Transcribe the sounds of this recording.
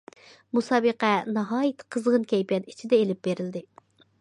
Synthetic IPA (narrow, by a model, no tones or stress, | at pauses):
musɑːbəqɛnɑɦɑːjit̪ʰqʰəzʁənkʲʰɛjpʲjɛni̥t͡ʃʰid̪ɛelɪp̚beɾɪld̪ɪ